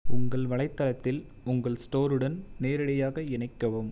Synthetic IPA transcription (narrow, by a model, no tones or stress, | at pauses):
ʊŋɡɐɭʋɐɭɐɪt̪ːɐlɐt̪ːɪl | ʊŋɡɐɭsʈoːɾɯɽɐnneːɾɐɽɐjaːɣɐɪnɐɪkːɐʋɯm